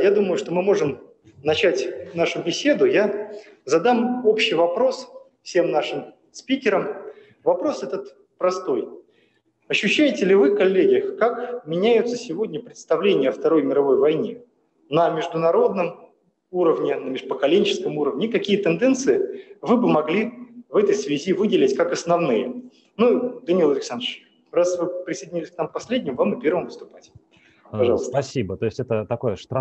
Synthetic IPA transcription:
jad̪uməjʊʂt̪o̞mɨmo̞ʐɨm | nɐt͡ɕætʲnaʂʊbʲɪsʲe̞d̪ʊja | zɐd̪amo̞pɕːɪjvɐpɾo̞s | fsʲe̞mnaʂɨm | spʲikʲɪɾəm | vɐpɾo̞sɛt̪ət̪ | pɾɐst̪o̞j | ɐɕːʉɕːæjɪtʲɪlʲɪvɨkɐlʲːeɡʲɪjəxkakmʲɪnʲæjʊt̪səsʲɪvo̞dʲnʲəpɾʲɪt̪st̪ɐvlʲenʲɪjəɐft̪ɐɾo̞jmʲɪɾɐvo̞jvɐjnʲe | nəmʲɪʐd̪ʊnɐɾo̞d̪nəm | uɾəvnʲɪnəmʲɪʐpəkɐlʲenʲt͡ɕɪ̥skəmuɾəvnʲɪkɐkʲijət̪ɨnd̪ɛnt̪sɨɪvɨbɨmɐɡlʲivɛt̪əjsvʲɪzʲivɨdʲɪlʲɪtʲkakɐsnɐvnɨjə̰ | nud̪ɐnʲilˠɐlʲɪksand̪ɨt͡ɕ | rasvɨpɾʲɪsəjdʲɪnʲilʲɪsʲknampɐsʲlʲedʲnʲɪmvamɨpʲe̞rvəmvəɨst̪ʊpatʲ | pɐʐɑlˠəst̪sʲibət̪oɪsʲtʲɛt̪ət̪ɐkojəʂt̪ɾa

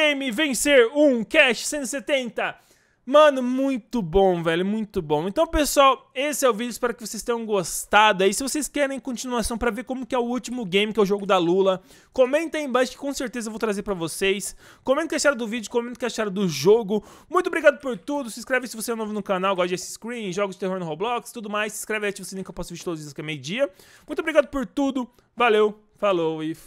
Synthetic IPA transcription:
ejmɪvẽseɾũkɛst͡ʃɪ̥sẽnt̪ɪset̪ẽnt̪ɐ | mɐ̃nʊmũj̃t̪ʊbõw̃vɛlʊmũj̃t̪ʊbõw̃ẽnt̪ɐ̃w̃pesʊawesɪɛʊvid͡ʒʊispɛɾʊkɪvosejst̪ẽj̃ɐ̃w̃ɡost̪ad̪ʊaisɪvosejskɛɾẽj̃kõnt͡ʃinuasɐ̃w̃pɾɐveɾkõmʊkɪɛʊut͡ʃimʊɡẽj̃mɪkɛʊʒoɡʊd̪ɐlulɐ | komẽnt̪ɐ̃ẽbɐʃɪ̥kɪ̥kõw̃seɾt̪ezɐevowt̪ɾazeɾpɾɐvosejskõmẽt̪ʊkesʃaɾɐd̪ʊvid͡ʒʊkomẽnt̪ʊ̥keʃaɾɐd̪ʊʒoɡʊmũj̃t̪obɾiɡad̪ʊpoɾt̪ud̪ʊsɪskɾɛvesɪvoseɛnovʊnʊkanawɡɔsd͡ʒesɪskɾĩʒɔɡʊzd͡ʒɪt̪eɦoɾnohowblɔkst̪ud̪ʊmajsːi̥skɾɛvɐest͡ʃɪvosenẽkewpɔsʊviʃɾt̪od̪ʊziskɛmejʊd͡ʒiɐmũt̪obɾiɡad̪ʊpoɾt̪ud̪ʊ | valew | falowi

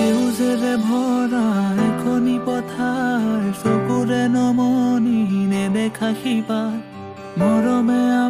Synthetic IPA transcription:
eɦuzeɾɛbʱɔɾaɛkʰonipɔt̪ʰajsokuɾɛnɔmɔninɛbɛkʰaxipa | mɔɾɔmɛa

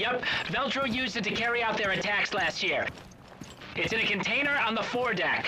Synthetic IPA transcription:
ʌpvɛlˠtɹ̥oʊjʉzɨd̚tʰɨkʰɛɹiaʊt̪̚ðə˞ɨtʰækslæst̚jɪɹ | ɨtsɨ̃nɨkɨ̃ntʰẽɪ̃nə˞ə̃nðəfɔɹdæ̰k

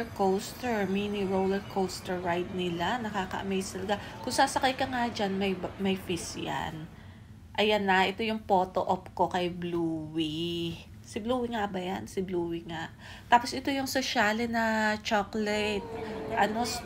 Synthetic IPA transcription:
kowst̪ɛɹmiːniɹowlɛɹkʰowst̪ɛɹːajd̪̚nɪlanɐkaːkɐ̰ʔɐ̰mɛjst̪ɐlɐɡakʊŋsaːsɐkɐjkɐŋad͡ʒanmɐjmɐjfisja̰n | ʔɐjanːɐʔɛt̪o̞jʊŋpo̞ːt̪oʔop̚ko̞kɐjbluːwi | sɪbluːwɪŋabɐjansɪbluːwɪŋaʔ | t̪aːpo̞sʔɪt̪o̞jʊŋsoʃaːlɛnɐt͡ʃoklɛt̪̚ʔɐno̞

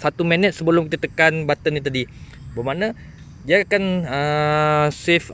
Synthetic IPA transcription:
sat̪umɛnɛt̪̚səbəlʊmkit̪at̪əkanbat̪ənit̪adi | bəmanã | diaakanə | sɪf

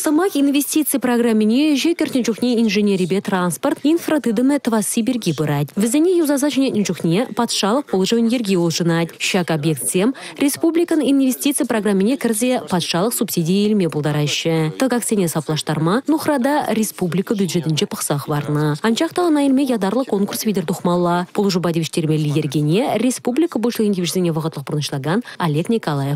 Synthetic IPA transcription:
səmɑkinvʲe̞sʲt̪ʲit̪sɨjproɡramʲːɪnʲe̞ʒekʲɪɾt̪ʲnʲʒuknʲeinʒenʲeɾʲibet̪ransport̪infrot̪ɨd̪əmət̪vasibʲerɡʲibʊɾɑd̪ʲvɪzɪnʲejuzɑzɑt̪ʒænʲet̪ʲɪnʒuχnʲepʰɑt̪ʃɑlˠəq̚pʰolˠʒəwɪnje̞rɡʲeoʒənɑt̪ʲʃɑkabjek̚t̪sʲemrʲe̞spublʲikəninvʲe̞sʲt̪ʲit̪sɨjproɡramʲːɪnʲekʲʰɪɾzʲepʰɑt̪ʃɑlˠəqsupsʲid̪ʲijajelmebʊlˠd̪ɑɾɑʃɪt̪əɡaksenʲesɑplˠɑʃt̪ɑɾmɑnʊχrɑd̪ɑɾʲe̞spublʲijkəbʲjud̪ʒe̞t̪ɪnʃe̞pʰəqsɑqɑbɑɾnəɑnʃɑqt̪əɑnɑjɪlʲmejɑd̪ɑɾlˠəkʰo̞ŋkursvʲijd̪ʲeɾd̪oχmɑlˠːɑb̥ʊlˠʒubɑd̪evɪʃt̪e̞ɾmelʲijeɾɡʲenʲerespublʲijkəbolʃlˠɪɡint̪ʲevʒet̪ɪnʲebɑqət̪lˠəq̚bʊɾənəʃəlˠɑɡɑnalʲe̞knʲikolˠajef

